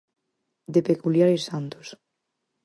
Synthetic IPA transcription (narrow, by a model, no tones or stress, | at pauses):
d̪epekuljaɾesant̪o̥s